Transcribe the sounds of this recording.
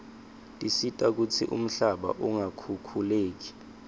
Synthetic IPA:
tʼisitʼak̬ut͡sʰḭʔṵm̩ɬaɓa̰ʔuŋakʰukʰuleːk̬i̥

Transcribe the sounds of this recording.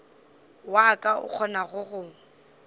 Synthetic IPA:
wakʼaʊ̰k͡xʰɔnaɣʊɣʊ

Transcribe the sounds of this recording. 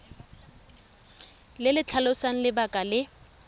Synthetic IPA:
lɪlɪt͡ɬʰalʊsaŋ̩lɪbakʼalɪ

